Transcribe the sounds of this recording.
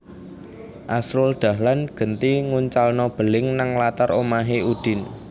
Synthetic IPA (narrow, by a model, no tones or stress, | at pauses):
ʔasɾʊld̪̥a̤hlanɡ̥ə̤nt̪iŋuɲt͡ʃalnɔb̥əlɪŋnaŋlat̪aɾomaɦeud̪̥ɪ̤n